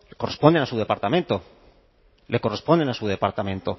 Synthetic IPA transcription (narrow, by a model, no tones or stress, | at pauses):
leko̞re̞spond̪enasuðe̞paɾt̪amẽ̞nt̪o | le̞kore̞spond̪enasuð̞e̞paɾt̪amẽnt̪o